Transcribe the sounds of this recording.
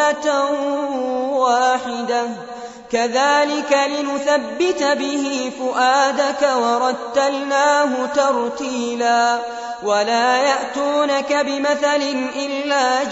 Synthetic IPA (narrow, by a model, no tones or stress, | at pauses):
at̪a | waːħɪd̪a | kaðaːlɪkalɪnʊθabːɪt̪abɪhiːfʊʔaːd̪akawɑɾˤɑt̪ːalnaːɦʊt̪ɑɾˤt̪iːlaː | walaːjaʔt̪uːnakabɪmaθalɪnʔɪlːaː